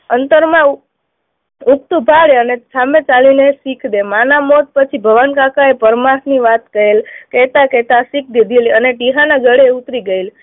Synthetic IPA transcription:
ənt̪əɾmã | uk̚t̪ubʱaɭeənesamẽt͡ʃalinesikʰd̪emanamɔt̪̚pət͡ʃʰibʱəʋankakaepəɾmakniʋat̪kəɦelkɛt̪akɛt̪asikʰd̪id̪ʱiləneʈiɦanaɡʱəɽeut̪ɾiɡəil

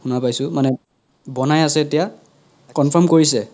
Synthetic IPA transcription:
xunapajsʊmanɛ | bɔnajasɛetija | kɔnpʰɔmkoɹis̬ɛ

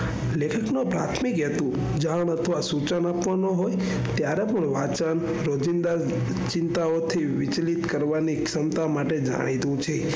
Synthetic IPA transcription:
lekʰəknopɾa̰t̪ʰmikɦet̪ũ | d͡ʒaɳət̪ʰəʋasut͡ʃənapʋanoɦoj | t̪jaɾepəɳʋat͡ʃən | ɾod͡ʒind̪a | t͡ʃɪnt̪aot̪ʰiʋit͡ʃlit̪kəɾʋaniksəmt̪amaʈed͡ʒa̰ɽ̃it̪ũt͡ʃʰe

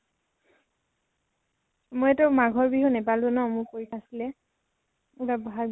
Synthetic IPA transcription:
mojɛtɔmaɡʱɔɹbiɦɔnɛpalzɔnɔmʊkoɹitʰasilɛ | ubabɔɦa

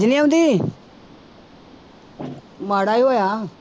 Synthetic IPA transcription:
d͡ʒniaʊ̃nd̪iː | maːɽaːiɦoːjaː

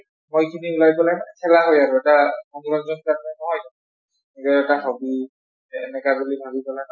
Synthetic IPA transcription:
mojkʰiniulajpɔlajnsʰɛlaɦojaɹʊɛtakɔŋɹɔnzɔnkaɹnɛnɔɦɔj | ikɔɛtaxɔbi | ɛnɛkabulibʱabipɔlajn

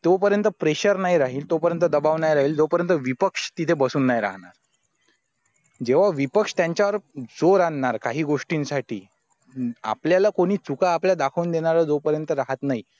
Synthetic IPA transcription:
t̪jopəɾjənt̪əpɾeɕəɾnajɾaɦiːlt̪opəɾjənt̪əd̪əbaʋnajɾaɦiːld͡zopəɾjənt̪əʋipəkʂt̪it̪ʰebəsuːnːajɾa̰ɦɳaɾ | d͡ʑeʋ̤aʋipəkʂt̪jaɲt͡ɕjaʋəɾd͡zoɾaɳːaɾkaɦiːɡoʂʈiːnsaʈʰḭː | a̰pljalakoɽ̃iːt͡sukaːpljad̪akʰəuːnd̪eɽ̃aɾad͡zopəɾjənt̪əɾaɦət̪nai

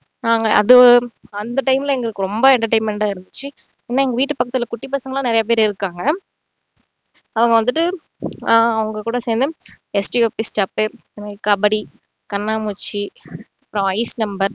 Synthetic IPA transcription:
naːŋɡɐʔɐ̰ðɯɐnd̪ɐʈɐɪmɪlɐɛŋɡɐɭɯkːɯɾɔmbɐɛɳʈɐɾʈɐɪmɛɳʈaːɪɾɯnd̪ɯt͡ʃːɯ | eːnːaːɛŋɡɐʋiːʈːɯpɐkːɐt̪ːɪlɐkʊʈːip̬ɐːsɐŋɡɐlãnɪɾɐjɐp̬eːɾɪɾɯkːaːŋɡɐ | ɐʋɐŋɡɐʋɐnd̪ɯʈːɯ | ɐʋɐŋɡɐkuːɽɐseːnd̪ɯ | ɛsʈioːpːisʈɐpːeɾ | nkɐbɐɽi | kɐnːaːmuːt͡ʃːiɐpːɯɾõɐɪsnɐmbɐɾ

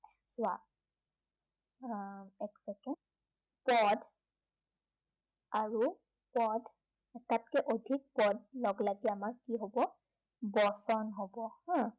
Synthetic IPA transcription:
zwa | ɛksɛkɛn | pɔd | aɹu | pɔd | tatkɛʔodʱik̚pɔdlɔɡlaɡiamaɹkiɦobɔ | bɔsɔnɦobɔhɔ̃

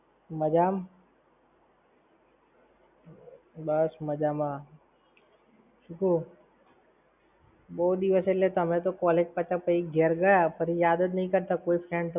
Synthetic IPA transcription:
mɐd͡ʒaːm | bɐsmɐd͡ʒaːmãː | t͡ʃʰukʰoː | boːd̪iʋəselet̪ɐmɦɛ̃t̪okɔːleːk̚pɐt͡ʃapɐiɡʱeɾɡɐjapɐɾijaːd̪ət̪̬nɐɦĩkɐɾt̪akoːifʰɾɛːɳt̪

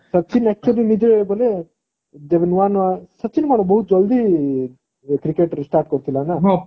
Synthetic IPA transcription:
sɐtːt͡ʃʰinɛk̚t͡ʃuɐlinid͡ʒebole | d͡ʒeʋenʋanasɐtːʃʰinkanobɔɦut̪̚d͡ʒɔld̪ʱi | kɾikeʈsʈaːɾʈ̚kɔɾt̪ʰilanaɦ

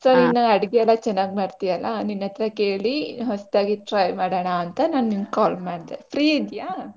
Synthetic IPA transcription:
soːninːɐɐɽɡeɛlːɐt͡ʃɛnːaːɡmaːɽt̪ijɐlːaninːɐt̪ɾɐke̞ːɭiɦost̪aːɡiʈɾɐjmaːɽɐːɳaɐnt̪ɐnaːnninkaːlmaːɽd̪epʰɾiːid̪jaː

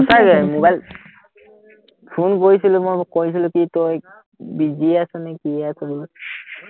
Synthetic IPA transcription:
usaɡɛmobajl | pʰunkoɹisilʊmojkois̬ilʊkitoj | biziasɔnɛkiɛasɛbul

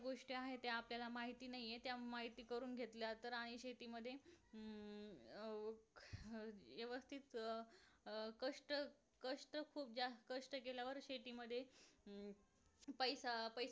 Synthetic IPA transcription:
ɡoʂʈiːaɦet̪eapljalamaɦit̪iːnaɦijet̪jamaɦit̪iːkəɾuːnɡʱet̪ljat̪əɾaɽ̃iɕet̪iːməd̪ʱːje | ʋjəʋəst̪ʰit̪ | kəʂʈə | kəʂʈəkʰuːp̚d͡ʑakəʂʈəkeljaʋəɾɕet̪iːməd̪ʱːje | pəjsapəj

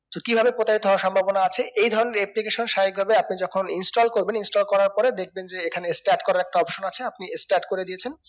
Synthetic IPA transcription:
t̪okibʱabepɾot̪aɾit̪oɦaaʃɔmbʱabonaat͡ɕʰeʔejd̪ʱɔɾoneɾeplikeʃonʃaɦik̚bʱabeapnid͡ʑɔkʰoninsʈolkoɾbeninsʈolkɔɾaɾpɔɾed̪ek̚ʰbend͡ʑeekʰanesʈaɾʈkɔɾaɾɛk̚ʈaɔpʃonat͡ɕʰeapniesʈaʈkoɾed̪ijet͡ɕʰen

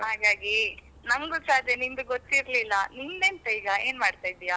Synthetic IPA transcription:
ɦaːɡaːɡi | nɐmɡusaːd̪ʱjɐnimd̪uɡot̪ːiɾlilːɐnindeːnʈ̪ɐiːɡɐe̞ːnmaːɽt̪ajd̪ija

